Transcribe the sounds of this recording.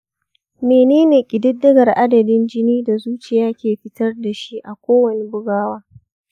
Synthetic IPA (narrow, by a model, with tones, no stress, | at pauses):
meː˨neː˦neː˨kʲʼɪ˨dɪ˦dːɐ˦ɡɐ˨rʔa˦dɐ˨dɪ˦nd͡ʒɪ˦niː˦da˨zuː˦t͡ʃɪ˨jaː˦kʲeː˨ɸɪ˦tɐ˦rda˨ʃi˦ʔa˨kʷoː˦wɐ˨ni˦bʊ˦ɡaː˦waː˦